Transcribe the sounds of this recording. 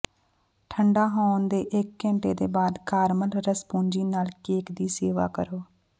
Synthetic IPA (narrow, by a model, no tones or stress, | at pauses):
ʈʰəɳɖaːɦõːnd̪eːʔɪkːɛ̃ːɳʈeːd̪eːbaːd̪kaːɾməlɾəspũːɲd͡ʒiːnaːlkeːkd̪iːseːʋa̰ːkəɾoː